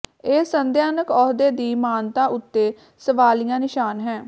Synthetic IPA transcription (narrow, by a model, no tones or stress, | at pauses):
eːsənd̪jaːnəkɔːd̪eːd̪iːmaːnt̪ãːʔʊt̪ːeː | səʋaːlijãːnɪʃaːnɦɛ̃ː